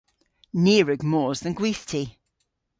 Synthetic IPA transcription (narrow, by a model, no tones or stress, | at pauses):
niːɹəɡmɔːzðə̃nɡwiˑθtʰi